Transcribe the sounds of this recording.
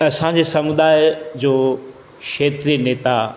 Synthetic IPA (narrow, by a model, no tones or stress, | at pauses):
ɐsãd͡ʑeːsɐmʊd̪aːɪjd͡ʑoː | kʃeːt̪ɾijəneːt̪a